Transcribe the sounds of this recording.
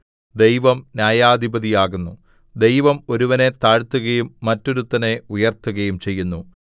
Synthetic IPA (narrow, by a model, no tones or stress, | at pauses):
d̪e̞jʋɐmnjaːjaːd̪ʱibɐðijaːɣunːu | d̪e̞jʋɐmo̞ɾuʋɐnet̪aːɻt̪ːuɣɐjumːɐtːo̞ɾut̪ːɐne̞ujɐrt̪ːuɣɐjumt͡ɕe̞jːunːu